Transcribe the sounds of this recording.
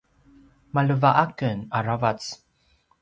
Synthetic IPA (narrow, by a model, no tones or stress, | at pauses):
maləvaʔakənaɹavat͡s